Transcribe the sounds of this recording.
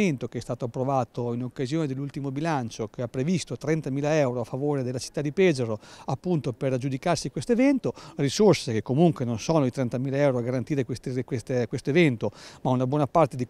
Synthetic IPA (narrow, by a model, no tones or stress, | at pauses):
ent̪okeɛst̪aːt̪oapːɾovaːt̪oinokːazjoːned̪elːult̪imobilant͡ʃokeapːɾevist̪ot̪ɾɛnt̪amiːlaɛwɾoafːavoːɾed̪elːat͡ʃi̥t̪ːad̪ːipɛːzeɾoapːunt̪operd͡ʒud̪ikarsikwest̪oevɛnt̪orisorsekekːomuŋkwenonsoːnod̪it̪ɾɛnt̪amiːlaɛwɾoaɡaɾant̪iːɾekwest̪ekwest̪ekwest̪oevɛnt̪omaunabwɔːnapart̪ed̪i